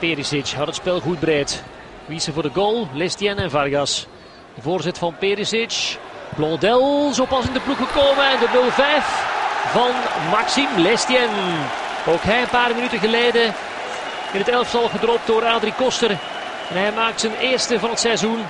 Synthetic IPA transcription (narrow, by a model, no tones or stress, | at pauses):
peɾisɪt͡ʃɦɑtətspɪlˠɣud̚bəɾeːt | ʋisəvʊːrdəɡoːlˠlɛstiɛnɛnvarɡɑs | d̥əvoːrzɪtəvɑnpeɾisɪt͡ʃblɔdɛlˠzoːpɑsɪndəpluxəkoːməɛndənɵlˠvɛjfvɑnmaksimlɛstiɛn | oːkɦɛjənpaːrminytəɣəleːdə | ɪnətɛləftɑlˠɣədrɔp̚t̚doːɾaːdɾikɔstər | ɛnɦɛjmaːk̚tsənɪːrstəvɑnətsɛzun